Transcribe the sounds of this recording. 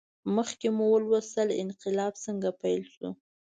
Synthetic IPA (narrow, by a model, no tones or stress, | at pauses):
məxkemuwəlwasəlɪ̰nqɪlɑbsəŋɡapajlsṵ